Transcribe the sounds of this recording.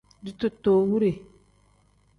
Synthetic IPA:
di˨˦tu˨tːoː˨wu˦ɾe˨

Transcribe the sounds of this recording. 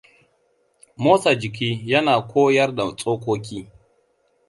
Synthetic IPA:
moː˦sa˨d͡ʒɪ˨k̬ʲiː˦jɐ˦naː˨kʷʰoː˦jɐ˦rda˨t͡sʼoː˦kʷoː˦k̬ʲiː˦

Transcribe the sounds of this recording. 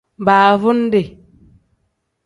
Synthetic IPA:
baː˨vu˦nde˨

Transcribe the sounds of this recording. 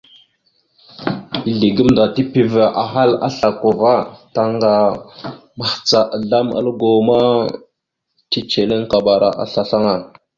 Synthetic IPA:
i˨ɮi˨ɡə˦mda˨ti˦pi˨və˨ʔa˨ɦa˦la̰˦ɬa˨ko˨va˦ta˦ŋɡa˨ | ma˨ht͡sa˨ʔɮa˦mə̰˦lɡo˨ma˦ | ti˦t͡ʃe˨le˦ŋka˨ba˨ɾa̰˨ʔa̰˨ɬa˨ɬa˦ŋa˨

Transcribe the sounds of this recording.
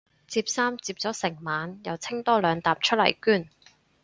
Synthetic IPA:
t͡siː˧p̚saː˥mt͡siː˧p̚t͡sɔː˨˥sɪ˨˩ŋmaː˨˧njɐ˨wt͡sʰɪ˥ŋt̪ɔː˥lœː˨˧ŋt̪aː˨p̚t͡ʃʰɵ˥lɐ̰˨˩jkyː˥n

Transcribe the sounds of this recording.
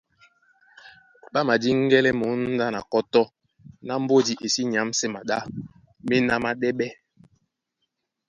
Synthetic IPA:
ɓa˦ma˨di˦ŋ̩˦ɡɛ˦lɛ˦mo˨˦n̩˦da˦na˨kɔ˦tɔ˦ | na˦m̩˦bo˦di˨ʔe˨si˦ɲ˨a˨˦msɛ˦ma˨ɗa˦ | me˦na˦ma˦ɗɛ˦ɓɛ˦

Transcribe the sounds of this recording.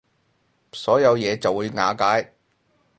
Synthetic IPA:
sɔː˨˥jɐ˨˧wjɛː˨˧t͡sɐ˨wːuː˨˧jŋaː˨˧kaː˨˥j

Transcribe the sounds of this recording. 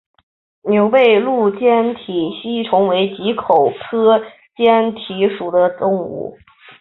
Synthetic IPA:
njo˧˥ʊpe˥˧ɪlu˥˩t͡ɕjɛ˥nt̪ʰi˨˩ɕi˥ʈ͡ʂʰʊ˧˥ŋwe˧˥ɪt͡ɕi˧˥kʰo˨˩ʊtʰɤ˥ | t͡ɕjɛ˥nt̪ʰi˧˥ʂu˨˩d̪ə˦t̪ʊ˥ŋṵ˨˩˦

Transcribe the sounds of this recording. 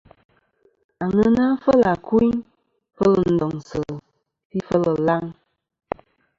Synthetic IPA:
a˨ŋə˦na˦fə˦la˨ku˦i˦n | fə˦lə˨n̩˨dɔ˨ŋsə˨ | pi˦fə˦lə˨la˦ŋ

